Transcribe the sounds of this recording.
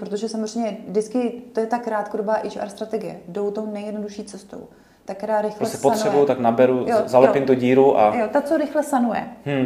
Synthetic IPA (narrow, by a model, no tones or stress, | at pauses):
pɾot̪̬oʒɛsamorɛjɲɛdɪt͡skɪt̪ojɛt̪akɾaːt̪kodobaːʔɪd͡ʒa̰ɾst̪ɾat̪ɛɡɪjɛ̰dowt̪ownɛjɛdno̞duʃiːt͡sɛst̪o̞̰w | t̪ak̚kːɛɾaːɾɪxlɾoɛsɛspotnrɛbujut̪aknabɛɾujozalɛpɪmt̪uɟiːɾuʔa̰jot̪at͡soɾɪxlɛsanujɛ̰mm̩